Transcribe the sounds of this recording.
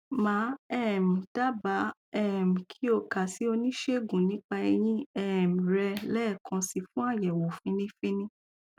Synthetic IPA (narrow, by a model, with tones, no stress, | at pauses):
mãː˨˦ɛ˦˨m̩˨ta˦ba˨˦ɛ˦˨m̩˨kʰi˦o˧ka˨si˨˦o˧nĩ˦ʃe˦˨ɡũ˨nĩ˨˦k͡pa˧ɛ˧j̃ĩ˦ɛ˦˨m̩˨ɾɛ˧lɛ˦˨kʰã˧si˧fũ˦a˦˨jɛ˨wo˨fĩ˦nĩ˦fĩ˦nĩ˦